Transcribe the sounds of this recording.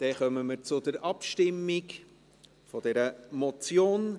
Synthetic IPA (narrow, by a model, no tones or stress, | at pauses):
d̪̥ɛχœməməɾt͡sʊdəɾɑpʃtɪmːɪk | fɔdɛɾəmɔt͡sjoːn